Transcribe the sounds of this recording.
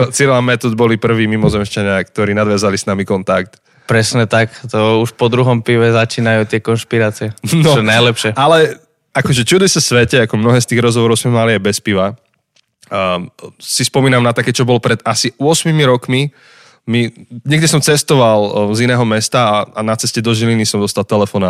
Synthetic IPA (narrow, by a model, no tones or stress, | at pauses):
t͡siɾlamɛt̪ɔd̪̚bɔlipr̩ʋiːmimɔzɛmʃt͡ʃaɲɪakt̪ɔɾiːnad̪ʋazalisnamikɔnt̪ak̚t̪ | pɾɛsɲɛt̪akt̪ɔuʃpɔd̪ɾuɦɔmpiʋɛzat͡ʃiːnajuːt̪ɪɛkɔnʃpiɾaːt͡siɛnɔɔɛnajlɛpʃɪɛalɛ | akɔʒɛt͡ʃud̪isɛsʋɛcɛakɔmnɔɦɛːst̪iːɣɾɔzɦɔʋɔɾɔʊsmɛmaliajbɛspiʋa | sispɔmiːnamnat̪akɛːt͡ʃɔbɔlɔpɾɛd̪asiʊɔsmimiɾɔkmi | miɲɛɡd̪ɛsɔmt͡sɛst̪ɔʋalzinɛːɦɔmɛst̪aːanat͡sɛscɛd̪ɔʒilinisɔmd̪ɔst̪alˠt̪ɛlɛfɔna